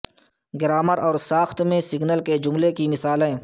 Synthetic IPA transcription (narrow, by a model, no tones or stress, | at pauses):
ɡɪɾaːməɾɔːɾsaːxt̪mẽsɪɡnəlked͡ʒʊmlekimɪsaːlɦɛ̃ː